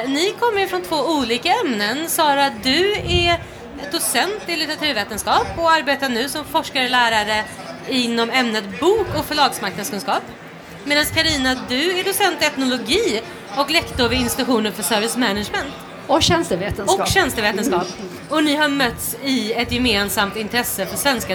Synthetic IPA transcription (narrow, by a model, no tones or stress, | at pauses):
nɪkʰɔmːəɾfɾɔnt̪ʰvoːuːliːkaɛmnənsɑːɾad̪ɵɛ | d̪ʊsɛnt̪ɪlɪt̪əɾat̪ʰʉ̟ːɾveːt̪ənskɑːpɔaɾbeːt̪anʉ̟ːsɔmfɔʂkaɾəlæːɾaɾə | ɪnːɔmɛmnət̪buːkɔkfœɭɑːɡsmaɾknad̪skɵnskɑːp | meːd̪anskʰaɾiːnad̪ɵɛɖ̪ʊsɛnt̪ɛt̪nʊlʊɡiː | ɔklɛkt̪ɔɾvɪɪnst̪ɪt̪ɧuːnəɾfœʂœɾvɪsmɛnaʂmɛnt̪ | ɔkɕɛnst̪əveːt̪ənɔkkɕɛnst̪əveːt̪ənskɑːp | ɔnɪɦaɾmœt̪ːsɪɛt̪jɛmeːnsamt̪ɪnt̪ɾɛsːəfœʂvɛnska